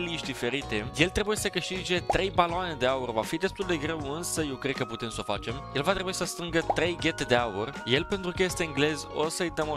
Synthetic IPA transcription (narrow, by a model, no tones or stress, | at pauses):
liʃd̪ife̞ɾit̪e̞je̞lt̪ɾe̞bujesəkəʃt̪id͡ʒe̞t̪ɾe̞jpaloane̞d̪e̞aurva̰fid̪e̞st̪uld̪e̞ɡɾe̞wɨnsəje̞wkɾe̞d̪̚kəput̪emso̞fat͡ʃe̞mje̞lvat̪ɾebuisəst̪ɾɨŋɡət̪ɾe̞jɡʲe̞t̪d̪e̞aurje̞lpe̞nt̪ɾukəje̞st̪eɨŋɡle̞zo̞̰səɨjt̪əmo